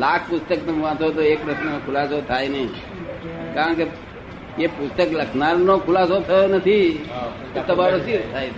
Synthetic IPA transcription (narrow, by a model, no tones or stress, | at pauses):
laːkʰpʊst̪ək̚t̪ɐmʋãt̪ot̪̬oeːkɾəsnekʰʊlaːsot̪ʰaːjnəĩ | kaãke | jepʊst̪əkləkʰnaːɾnokʰʊlaːsot̪ʰɐjonət̪ʰi | ot̪əbaːɾosit̪ʰaːjt̪